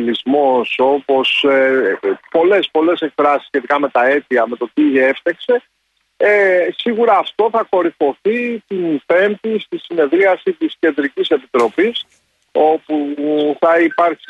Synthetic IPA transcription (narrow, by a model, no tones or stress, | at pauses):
lizmo̞so̞po̞s | po̞le̞spo̞le̞se̞kfɾɐsi̥sçe̞t̪ikɐme̞t̪ɐe̞t̪iɐme̞t̪o̞t̪ie̞ft̪ekse̞ | siɣuɾɐːft̪o̞θɐko̞ɾifo̞θit̪inpe̞nt̪ist̪isine̞ðɾiɐsit̪isce̞nd̪ɾicise̞pit̪ɾo̞pis | o̞puθɐipɐɾç